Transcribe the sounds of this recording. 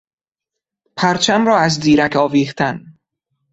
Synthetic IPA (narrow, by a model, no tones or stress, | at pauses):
pʰæɾt͡ʃʰæmɾɒːæzd̪iːɾækʰɒːviːxt̪ʰæn